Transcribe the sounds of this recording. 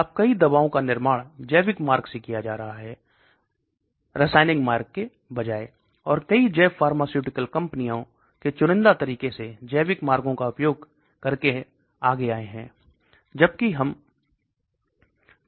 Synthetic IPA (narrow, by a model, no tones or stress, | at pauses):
ɐb̚kɐid̪ɐbaːõkanɪɾmaːɽ̃d͡ʒɛːbɪkmaːɾɡsekijad͡ʒaːɾɐɦaɦɛː | ɾɪsaːɪnɪ̃ŋɡmaːɾkːe | bɐd͡ʒaːe | ɔːɾkɐid͡ʒɛːfaːɾmaːsjuːʈɪkəlkɐ̃mpnijõ | ket͡ʃʊɾɪ̃nd̪at̪ɐɾiːkesed͡ʒɛːbɪkmaːɾɡõkaʊpjoːɡ | kɐɾke | aːɡeaːeɦɛ̰̃ː | d͡ʒɐb̚kiɦɐm